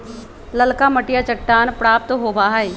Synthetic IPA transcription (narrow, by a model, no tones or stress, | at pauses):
lɐlkamɐʈijat͡ʃɐkʈːaːnpɾaːp̚t̪ɦoːbaːɦae